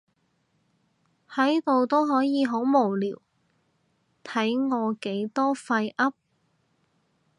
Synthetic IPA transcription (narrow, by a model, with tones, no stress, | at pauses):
hɐ˨˥jt̪o˨wt̪o˥wɦɔː˨˥jiː˨˧ɦo˨˥wmo˨˩wliː˨˩w | t̪ʰɐ˨˥jŋɔː˨˧ke˨˥jt̪ɔː˥fɐ˧jʔɐ˥p̚